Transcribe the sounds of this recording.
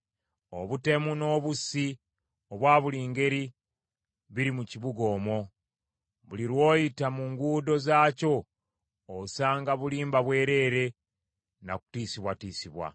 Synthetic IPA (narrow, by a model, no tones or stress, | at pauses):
o̞̰βute̞muno̞ːβusi | oβwaːβuliːŋɡe̞ɾi | βiɾimuciβuɡo̞ːmo̞ | βuliɾwo̞ːjitamuŋɡuːdo̞zaːco̞ː | βusaːŋɡaβuliːmbaβwe̞ːɾe̞ːɾe̞ | na̰ku̥tiːsiβwatiːsiβwa̰